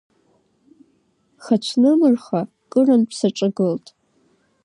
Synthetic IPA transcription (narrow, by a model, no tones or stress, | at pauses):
χat͡ʃʷʰnɨmɨrχa | kʼɨranpʰsaʈ͡ʂʼɨɡɨltʼ